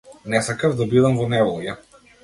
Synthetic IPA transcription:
nɛsakavd̪abid̪amvɔnɛvɔlˠja

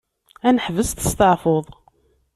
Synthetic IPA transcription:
ænəħvəst̪ə̥st̪əʕfoðˤ

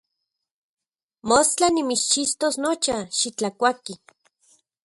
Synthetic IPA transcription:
most͡ɬanimit͡ʃt͡ʃist̪osnot͡ʃaʃit͡ɬakʷaki

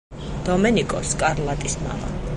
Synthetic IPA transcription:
d̪̥ɔmɛnikʼɔskʼaɾlˠat̪ʼisma̰ma̰

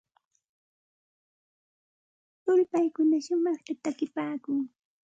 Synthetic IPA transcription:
ʊlpajkʊnaʃʊmɑχt̪at̪akɪpaːkʊŋ

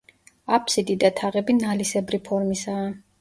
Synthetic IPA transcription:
apʰsid̪id̪at̪ʰaʁɛbinalisɛbɾipʰɔɾmisaː

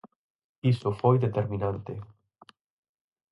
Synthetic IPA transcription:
isofojd̪et̪eɾminant̪e

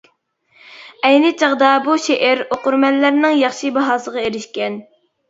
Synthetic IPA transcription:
ɛjnɪt͡ʃʰɑʁd̪ɑbuʃeʔæɾoqʊɾmɛlːæɾnɪŋjɑχʃibɑɦɑːsəʁɑeɾɪʃkʲɛn

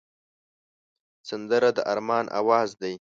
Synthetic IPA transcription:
sand̪əɾad̪əʔaɾmɑnʔa̰wɑːzd̪aj

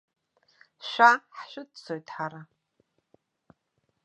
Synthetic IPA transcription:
ʃʷᶣaħʃʷᶣʊdt͡sʰojtʼħaɾa

